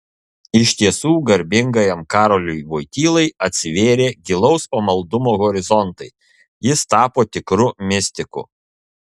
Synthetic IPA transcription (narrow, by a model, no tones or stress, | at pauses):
ɪʃʲt̪ʲiɛsuːɡɐɾʲbʲɪŋɡɐjɛmkɑːɾoːlʲʊjʋoɪt̪ʲiːlˠɐɪɐt̪ʲsʲɪʋʲeːɾʲeːɡʲɪlˠɔʊsoːmɐlˠd̪ʊmoːɣɔɾʲɪzɔnt̪ɐɪ | jɪst̪ɑːpoːt̪ʲɪkɾʊmʲɪsʲt̪ʲɪkʊ̰